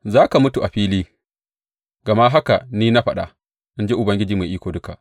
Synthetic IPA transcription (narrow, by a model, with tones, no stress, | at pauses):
zaː˦ka˨mʊ˦tu˨ʔa˨ɸiː˦liː˦ | ɡa˨ma˦ɦa˦ka˨niː˦na˦ɸa˦ɗa̰˨ | ʔɪ˦nd͡ʒe˦ʔʊ˨bɐ˦ŋɡʲɪ˦d͡ʒiː˨ma˨ʔiː˦kʷoː˨dʊ˦ka˨ʔ